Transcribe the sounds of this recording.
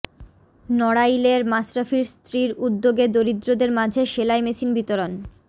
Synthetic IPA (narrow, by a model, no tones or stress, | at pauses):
nɔɽajleɾmasɾafiɾst̪ɾiɾud̪ːoɡed̪oɾid̪ɾod̪eɾmad͡ʑʱeʃelajmesinbit̪oɾon